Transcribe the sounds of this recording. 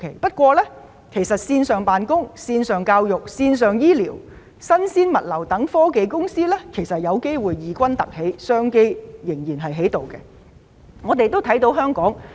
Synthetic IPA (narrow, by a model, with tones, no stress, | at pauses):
kʰe˨˩jpɐ˥t̚kʷɔː˧lɛː˥ | kʰe˨˩jsɐ˨t̚siː˧nsœː˨ŋpaː˨nkʊ˥ŋsiː˧nsœː˨ŋkaː˧wjʊ˨˩k̚siː˧nsœː˨ŋjiː˥liː˨˩w | sɐ˥nsiː˥nmɐ˨t̚lɐ˨˩wt̪ɐ˨˥ŋfɔː˥ke˨˧jkʊ˥ŋsiː˥lɛː˥kʰe˨˩jsɐ˨t̚jɐ˨˧wke˥jwuː˨jːiː˨˧kʷɐ˥nt̪ɐ˨k̚he˨˥jsœː˥ŋke˥jjɪ˨˩ŋjiː˨˩nɦɐ˨˩jɦe˨˥jt̪o˨wkɛ˧ | ŋɔː˨˧t̪e˨jt̪o˥wt̪ʰɐ˨˥jt̪o˨˥wɦœː˥ŋkɔː˨˥ŋ